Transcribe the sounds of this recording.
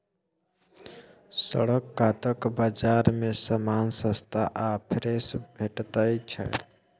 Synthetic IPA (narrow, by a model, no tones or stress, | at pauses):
sə̰ɽəkːaːt̪əkbad͡ʒaːɾmẽsəmaːnsə̃st̪ʰaʔaːpʰɾesbʱeʈt̪əit͡ʃʰə̰